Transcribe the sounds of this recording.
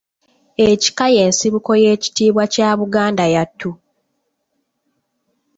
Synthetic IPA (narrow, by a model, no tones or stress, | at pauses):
eci̥kaje̞ːnsiβuko̞je̞ːci̥tiːβwacaːβuɡaːndajatʰːu